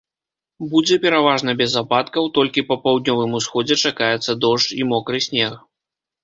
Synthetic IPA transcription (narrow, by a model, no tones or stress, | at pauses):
bud͡zʲɛpʲɛɾavaʐnɐbʲɛzapat̪kɐwt̪ɔlʲkʲipɐpawd̪̚ʲnʲɔvɨmusxɔd͡zʲɛt͡ʂakajɛt̪sːɐd̪ɔʂt͡ʃimɔkɾɨsʲnʲɛx